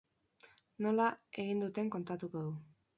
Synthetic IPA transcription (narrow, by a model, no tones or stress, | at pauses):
no̞lae̞ɣind̪ut̪e̞ŋko̞nt̪at̪uko̞ðu